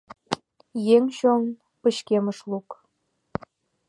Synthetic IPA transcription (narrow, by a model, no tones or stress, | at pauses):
jeŋɕoŋ | pəɕkeməʃluk